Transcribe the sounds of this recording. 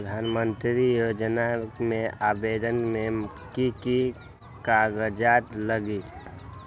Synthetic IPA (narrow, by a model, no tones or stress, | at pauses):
d̪ʱaːnmə̃nt̪ɾijoːd͡ʒnamẽaːbeːd̪ənmẽm | kiki | kaɡəd͡ʒaːt̪ləɡi